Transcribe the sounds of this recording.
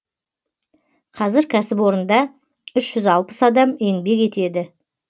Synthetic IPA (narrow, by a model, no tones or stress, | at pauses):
qʰɑzɪɾkʲʰæsɪpwo̞ɾənd̪ɑ | ʏʃʒ̥ʏzɑlˠpə̥sɑd̪ɑme̞ŋbe̞ke̞t̪e̞d̪ɪ